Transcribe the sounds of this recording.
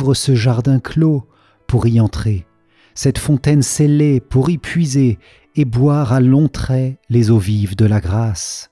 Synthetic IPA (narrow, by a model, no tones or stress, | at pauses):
vʁəsəʒaʁd̪ɛ̃klo | puʁiɑ̃t̪χe | sɛt̪fɔ̃t̪ɛnselepuʁipʰɥizeː | bwaʁalɔ̃t̪χɛlezovivd̪əlaɡʁas